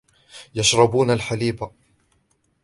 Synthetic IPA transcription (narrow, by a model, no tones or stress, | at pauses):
jaʃɾˤɑbuːnalħaliːba